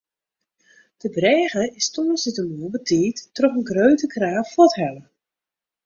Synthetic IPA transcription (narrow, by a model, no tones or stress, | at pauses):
d̥əbrɛːɣəɪstɔːsətəmuəbətʰiːtːrɔxənɡrøɥtəkraːffɔtɦɛlə